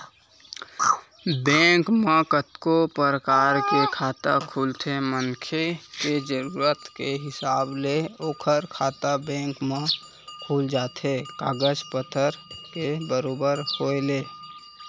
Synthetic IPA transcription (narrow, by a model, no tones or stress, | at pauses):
bɛ̃ːŋkmẽkət̪kopəɾəkaːɾkekʰaːt̪a̰kʰuːlt̪ʰemənkʰeked͡ʒəɾuːɾət̪keɦɪsaːbleoːkʰəɾkʰaːt̪abɛ̃ːŋkmẽ | kʰuːld͡ʒaːt̪ekaːɡəd͡ʒpət̪ʰəɾkebəɾoːbəɾhoːeleː